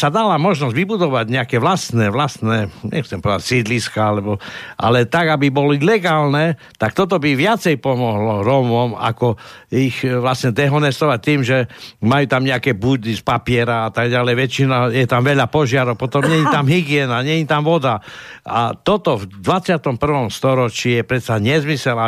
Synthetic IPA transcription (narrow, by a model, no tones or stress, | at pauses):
sad̪alamɔʒnɔzɟʋibud̪ɔʋaɟɲɛakɛʋlast̪nɛʋlast̪nɛɲɛ̰xt͡sɛmpɔd̪acsid̪liskaalɛbɔʔa̰lɛt̪aɡabibɔlɔilɛɡaːlnɛ | t̪ak̚t̪ɔt̪̬ɔbiʋɪat͡sɛjpɔmɔɦlɔɾɔmɔma̰kɔixʋlasɲɛd̪ɛɦɔnɛst̪ɔʋac̚t̪iːmʒɛmajuːt̪amɲɛakɛbud̪ispapɪɛɾaat̪aɡɟalɛjʋɛt͡ʃinajɛt̪amʋɛʎapɔʒɪaɾɔʊpɔt̪ɔmɲɛɲit̪amɦiɡiɛnaɲɛɲit̪amʋɔd̪aa̰t̪ɔt̪ɔvd̪ʋat͡sɪat̪ɔmpr̩ʋɔmst̪ɔɾɔt͡ʃijɛpɾɛt̪saɲɛzmisɛla